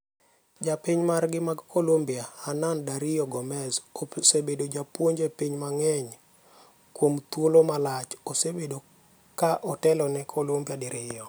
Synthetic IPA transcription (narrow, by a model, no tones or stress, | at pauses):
d͡ʒapiɲmarɡɪmaɡkʰolombijahanandaɾɪjɔɡɔmɛzosebedod͡ʒapwoɲd͡ʒepiɲmaŋɛɲ | kwomt̪wolomalat͡ʃosebedo | kaʔɔtɛlɔnɛkʰolombjadɪɾɪjɔ